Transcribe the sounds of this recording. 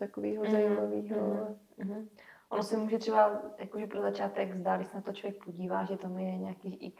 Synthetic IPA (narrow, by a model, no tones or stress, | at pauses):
t̪akoviːɦozajimaviːɦo | ʔonosɛmuːʒɛt̪r̥ɛbajakoʒɛpɾozat͡ʃaːt̪ɛɡzdaldɪsɛnat̪ot͡ʃlovjɛk̚po̞ɟiːvaːʒɛt̪amujɛɲɛakiːʔɪk